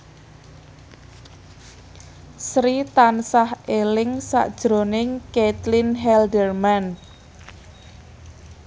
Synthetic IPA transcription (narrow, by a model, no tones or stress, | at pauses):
sɾit̪ansahelɪŋsa̰ʔd̥ʒ̥ɾonɪŋkɛt̪linɦɛldərman